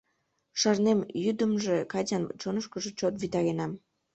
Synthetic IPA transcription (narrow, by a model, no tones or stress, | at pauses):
ʃɑrnemjyd̪əmʒekɑt͡ɕɑnt͡ɕonəʃkəʒet͡ɕot̪βit̪ɑɣenɑm